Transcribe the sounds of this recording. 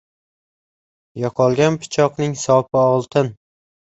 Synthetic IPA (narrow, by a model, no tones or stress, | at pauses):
jɒqʰɒlˠɡʲanpʰʊ̥t͡ʃʰɒqnɪŋsɒpʰɪɒlˠt̪ʰɪn